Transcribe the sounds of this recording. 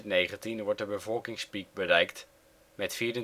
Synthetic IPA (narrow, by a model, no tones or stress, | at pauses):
nejχəntinʋɔɹt̚dəbəvɔlˠkɪŋspik̚bərɛjkt | mɛtfiːɾə